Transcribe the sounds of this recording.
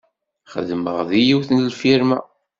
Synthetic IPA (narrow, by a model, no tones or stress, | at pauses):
χə̰ðmə̰ʁðijiwθnlfiɾmæ̰